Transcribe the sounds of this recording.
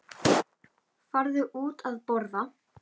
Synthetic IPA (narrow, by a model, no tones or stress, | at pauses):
faɾðʏʔuːt̪aðpɔɾða